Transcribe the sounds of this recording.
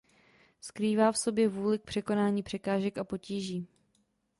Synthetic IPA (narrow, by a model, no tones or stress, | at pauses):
skɾiːvaːfso̞bjɛvuːlɪk̚pr̝̥ɛko̞naːɲiːpr̥ɛkaːʒɛkapo̞ciːʒiː